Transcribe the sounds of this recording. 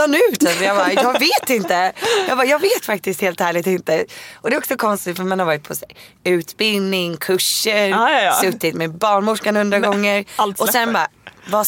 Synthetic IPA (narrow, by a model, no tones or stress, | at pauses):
anʉ̟ːt̪ʰasɔjɑːbajɑːɡveːt̪ɪnt̪əjɑːɡbɑːjɑːɡveːt̪fak̚t̪ɪst̪heːlt̪hæːɭɪɡ̚t̪ɪnt̪əʔɔd̪ɛːɔksɔkʰɔnst̪ɪt̪fœɾmanhaɾvɑːɾɪt̪̚pʰɔsɛ | ʉ̟ːt̪bɪld̪nɪŋkʰɵʂːəɾsɵtt̪ːɪt̪mɛbɑːɳmʊʂkanhɵnd̪ɾaɡ̪ɔŋːəɾɔsɛnbava